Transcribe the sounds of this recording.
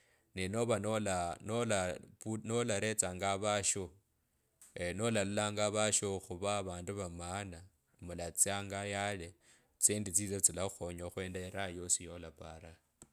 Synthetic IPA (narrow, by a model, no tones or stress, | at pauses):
nino̞βanolanolapunolaɾe̞t͡saːŋɡaβaʃo | no̞lalulaːŋɡaβaʃoxuβaβaːnduβamaːna | mulat͡siaŋɡajale | t͡siːndit͡siːt͡sat͡silaxoɲoxwe̞ːndaeɾajo̞sijo̞lapaɾa